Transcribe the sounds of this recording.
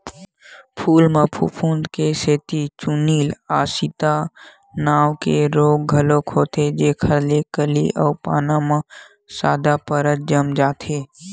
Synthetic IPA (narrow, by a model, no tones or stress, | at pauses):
pʰuːlmə̃pʰṵpʰũːnd̪keseːt̪it͡ʃuniːlaːsit̪a | naːwkeɾoːɡɡʱəloːkɦoːt̪ed͡ʒeːkʰəɾlekəlḭʔɔːpaːnamã | saːd̪apəɾət̪̚d͡ʒəmd͡ʒaːt̪ʰeː